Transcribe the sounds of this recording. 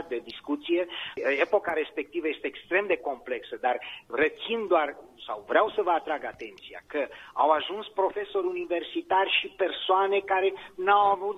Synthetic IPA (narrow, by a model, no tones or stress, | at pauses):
t̪̚d̪e̞d̪iskut̪sije̞epo̞kaɾe̞spek̚t̪ivəje̞st̪eːkst̪ɾe̞md̪e̞ko̞mple̞ksəd̪arret̪sind̪oarsa̰wvɾeawsəvəat̪ɾaɡat̪e̞nt̪sia̰kəa̰waʒunspɾo̞fe̞so̞ɾʲunive̞rsit̪arʲʃipe̞rsoane̞kaɾe̞nawavut̪